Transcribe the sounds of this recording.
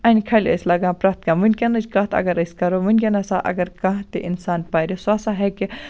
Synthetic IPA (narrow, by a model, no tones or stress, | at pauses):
ɐnʲkʰɐlʲɐ̰sʲlɐɡãpɾɐt̪kãmunʲkʲɐnɐt͡ʃkɐt̪ʰɐ̰ɡɐɾɐsʲkɐɾomunkʲɐnɐsaʔɐ̰ɡɐɾkɐɦt̪eʔinsaːnpaːɾisaːsaɦɛke